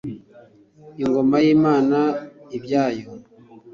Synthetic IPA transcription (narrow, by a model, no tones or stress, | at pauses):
iŋɡomajimaːnaibjaːjo